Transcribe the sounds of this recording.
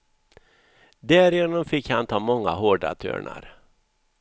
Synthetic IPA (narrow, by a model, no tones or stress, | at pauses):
d̪æːɾɪjeːnɔmfɪkːhant̪ʰɑːmɔŋːa̰ɦoːɖa̰t̪ʰø̰ːɳa̰ɾ